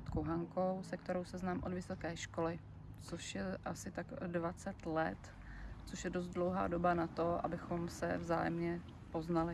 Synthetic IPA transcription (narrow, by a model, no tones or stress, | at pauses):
t̪koɦaŋkowsɛk̚t̪ɛɾowsɛznaːmʔodvɪso̞kɛːʃko̞lɪ | t͡soʃjɛʔasɪt̪aɡdvat͡sɛt̪lɛ̰t̪ | t͡soʃjɛdos̬t̪̚dlowɦa̰ːdo̞banat̪o̞ʔa̰bɪxo̞msɛ̰vza̰ːjɛmɲɛ | po̞znalɪ